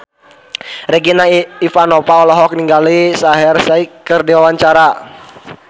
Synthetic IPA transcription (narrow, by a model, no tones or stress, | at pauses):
rɛɡinaifanɔpaɔlɔɦɔk̚niŋɡalisaɦɛrsaikərdiwawaɲt͡ʃaɾa